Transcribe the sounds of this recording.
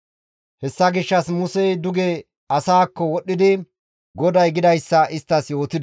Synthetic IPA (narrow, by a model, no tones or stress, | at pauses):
hɛsːɐɡɪʃːɐsmʊsɛjd̪ʊɡe | ɐsaːkːɔwɔɗːɪd̪ɪ | ɡɔd̪ɐjɡɪd̪ɐjsːɐʔɪst̪ːɐsjo̞ːt̪ɪd̪